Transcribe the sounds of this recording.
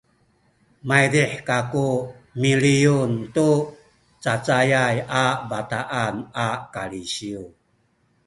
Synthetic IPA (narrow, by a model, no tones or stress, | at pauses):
majɾiħkaku | milijuntu | t͡sat͡sajajabataʔanakaliɕiu